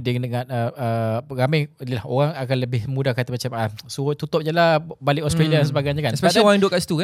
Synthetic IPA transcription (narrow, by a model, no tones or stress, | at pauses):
dəŋndəŋãnəəɣamajnilahoɣaŋakanləbɪhmũdahkat̪amat͡ʃamasut̪ut̪ʊp̚ɲəlabaliʔɔst̪ɾaliadansəbaɡajɲakanspeadaãdoʔkaʔsi̥t̪ukan